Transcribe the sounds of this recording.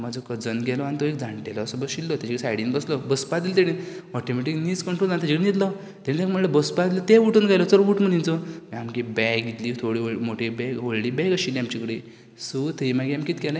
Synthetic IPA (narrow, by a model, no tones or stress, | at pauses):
mad͡zokəd͡zənɡɛlɔanit̪oek̚d͡zaɳʈelɔːsəbəɡɕilːɔt̪jat͡ɕikəɽisajɽinbəslɔbəspad̪ilt̪̬eɽiɔʈimeʈiknit͡skəɳʈɾold͡zant̪jat͡ɕikəɽinit̪lɔ | t̪eɽĩt̪ekməɳləbəspad̪ilɔt̪euʈunɡajlɔt͡səɾʋuʈməɳint͡sɔmiamkibɛɡit̪liːt̪ʰoɽiomoʈʰibɛkɦoɭliːbɛkaɕilːĩamt͡ɕikəɽi | sut̪ʰəimaɡiamkiːt̪kɛlɛ̃